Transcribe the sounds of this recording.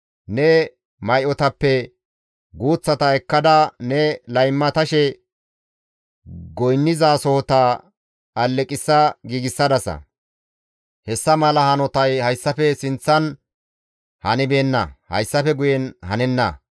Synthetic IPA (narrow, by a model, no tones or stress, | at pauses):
nɛ | mɐjʔɔt̪ɐpːɛ | ɡuːt͡sːɐt̪ɐɛkːɐd̪ɐnɛlɐjmːɐt̪ɐʃɛ | ɡɔjnːɪzaːsɔhɔt̪a | ɐlːɛkʼɪsːɐɡiːɡɪsːɐd̪ɐsɐ̰ | hɛsːɐmɐlɐhɐnɔt̪ɐjhɐjsːɐfɛsɪnt͡sːɐn | hɐnɪbeːnːɐ̰hɐ̰jsːɐfɛɡʊjɛnhɐnɛnːɐ̰